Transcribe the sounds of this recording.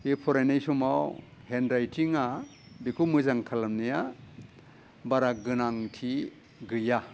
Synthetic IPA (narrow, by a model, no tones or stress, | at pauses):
ipʰɔɾajnajsumaw | hendɾajtʰiŋa | bikʰumɯzaŋkʰalamnija | baɾaɡɯnaŋtʰi | ɡɯja